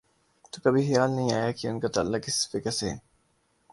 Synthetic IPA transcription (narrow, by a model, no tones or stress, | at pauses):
t̪okɐbʱixɪjaːlnɐɦĩaːjaːkiʊnkat̪ɐlːakɪsfɪkəse